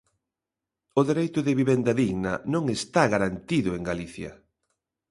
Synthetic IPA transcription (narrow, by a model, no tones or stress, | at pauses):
ʊðeɾejt̪ʊðɪβiβend̪ɐðiɣnɐnõŋest̪aɣaɾant̪iðʊeŋɡaliθjɐ̰